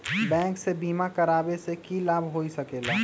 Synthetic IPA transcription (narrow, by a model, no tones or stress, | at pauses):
bɛ̃ːŋksebiːmakəɾaːbesekilaːbʱɦoisəkeːla